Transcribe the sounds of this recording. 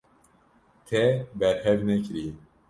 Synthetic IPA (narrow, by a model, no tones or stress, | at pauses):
t̪ʰɛbɛɾhɛvnɛkɨɾi